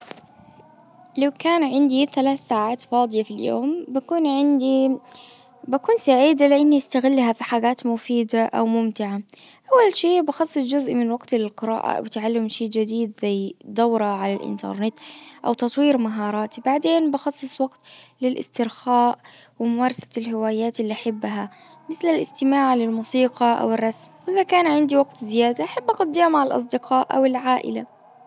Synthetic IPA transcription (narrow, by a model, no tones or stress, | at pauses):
lawkaːnʕɪnd̪iθalaːθsaːʕaːt̪fɑːd̪ˤɨjafiljo̰ːmbakuːnʕɪnd̪i | bakuːnsaʕiːd̪alɪʔɪnːiʔɪst̪aɣɪlːɦafiħaɡaːt̪mʊfiːd̪aʔawmʊmt̪ɪʕa | ʔawːalʃeːbɑxɑsˤːɨsd͡ʒʊzʔmɪnwaɡt̪lɪlqɪɾa̰ːʔa̰wɪt̪ʕalːɪmʃeːd͡ʒad̪iːd̪zajd̪awɾˤɑʕalalʔɪ̰nt̪ɑ̰ɾˤnɪt̪ʔawt̪ɑt̪ˤwiːɾmaɦɑːɾˤɑːt̪ibaʕd̪eːnbɑxɑsˤːɨsˤwɑɡt̪lɪlʔɪ̰st̪ɪɾxaːʔ | wɪmʊmɑːɾˤɑsḁlɦɪwaːjaːt̪ɪlːiʔaħabːɦa | mɪθlɪlʔɪst̪ɪmaːʕlɪlmuːsiːqɑʔa̰wɪrˤːɑsmʔɪðakaːnʕɪnd̪iwaɡt̪zɪjaːd̪aʔaħabːʔaqʊd̪ːaːmaʕɪlʔɑ̰s̬ˤd̪ɪqʰɑːʔʔa̰wɪlʕaːʔɪ̰la